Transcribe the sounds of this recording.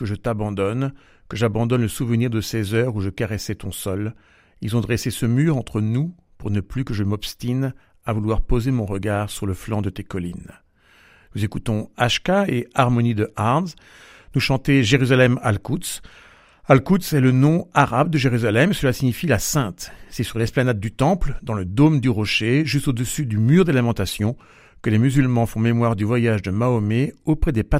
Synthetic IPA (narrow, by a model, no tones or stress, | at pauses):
kəʒət̪abɑ̃d̪ɔn | kəʒabɑ̃d̪ɔnləsuvəniʁd̪əsezœʁuʒəkaʁɛsɛt̪ɔ̃sɔl | ilzɔ̃d̪ʁɛsesəmyʁɑ̃t̪χənu | puʁnəplykəʒəmɔpst̪in | avulwaʁpozemɔ̃ʁəɡaʁsyʁləflɑ̃d̪ət̪ekɔlin | nuzekut̪ɔ̃aʃkaeaʁmɔnid̪əʔaʁnz | nuʃɑ̃t̪eʒeʁyzalɛmalkut̪s | alkut̪sɛlənɔ̃aʁabd̪əʒeʁyzalɛmsəlasiɲifilasɛ̃t̪sɛsyʁlɛsplanad̪̚ːyt̪ɑ̃pld̪ɑ̃ləd̪omd̪yʁɔʃeʒyst̪od̪əsyd̪ymyʁd̪elamɑ̃t̪asjɔ̃ | kəlemyzylmɑ̃fɔ̃memwaʁd̪yvwajaʒd̪əmaomeopχɛd̪epa